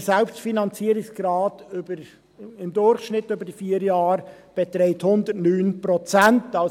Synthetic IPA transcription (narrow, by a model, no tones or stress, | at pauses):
sɛlpstfinɑnt͡siːəɾɪksɡ̥ɾɑːtybəɾ | ɪmd̪ʊɾxʃnɪtːøbəɾdifiːəɾjɑːɾb̥ɛt̪ɾɛɪthʊnd̪ətnyːnpɾɔt͡sɛntɑ